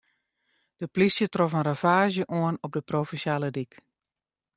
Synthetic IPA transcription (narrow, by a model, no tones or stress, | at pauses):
d̥əplisjətrɔfənrafaːʒjəʔoənɔp̚dəproːfɛnsjaːlədik